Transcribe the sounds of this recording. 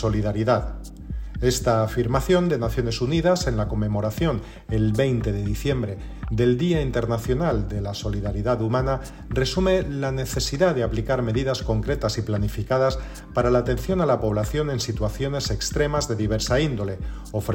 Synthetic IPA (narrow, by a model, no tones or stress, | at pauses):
o̞liðaɾiðað | e̞st̪aːfiɾmaθjo̞nd̪e̞naθjo̞ne̞suniðase̞nlako̞me̞moɾaθjo̞n | e̞lβe̞jnt̪e̞ðe̞ðiθje̞mbɾe̞ | d̪e̞ld̪iaint̪e̞ɾnaθjo̞nald̪e̞laso̞liðaɾiðaðumãna | re̞sumelane̞θe̞siðaðe̞aplikaɾme̞ðiðasko̞ŋkɾe̞t̪asiplanifikað̞as | paɾalaːt̪e̞nθjo̞nalapo̞β̞laθjo̞ne̞nsit̪waθjo̞ne̞se̞kst̪ɾe̞mazðe̞ðiβ̞e̞ɾsaind̪o̞le̞ | of